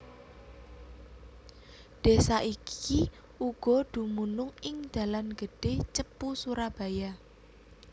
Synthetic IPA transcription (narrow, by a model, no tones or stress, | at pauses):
d̥esaʔikʰi | uɡ̥ɔ̤d̥ṳmunʊŋɪŋd̪̥ä̤lanɡ̥ə̤ɖ̥et͡ʃəpusuɾab̥a̤ja